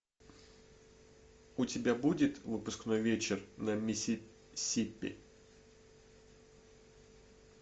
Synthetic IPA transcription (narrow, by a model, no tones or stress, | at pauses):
ʊtʲɪbʲabudʲɪt̪vɨpʊskno̞jvʲet͡ɕɪrnəmʲɪ | sʲipʲːɪ̰